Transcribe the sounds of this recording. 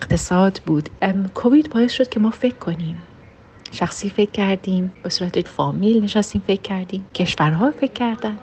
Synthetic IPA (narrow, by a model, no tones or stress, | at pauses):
eqt̪ʰe̞sɒːd̪buːd̪̥kʰo̞viːd̪bɒːje̞sʃo̞d̪̥̚kʲʰe̞mɒːfe̞kʰːo̞niːm | ʃæxsiːfe̞kʰːæɾd̪iːmb̥esuːɾæt̪ʰefɒːmiːlne̞ʃæst̪iːmfekʲʰːæɾd̪iːmcʰe̞ʃvæɾɦɒːfe̞kʰːæɾd̪æn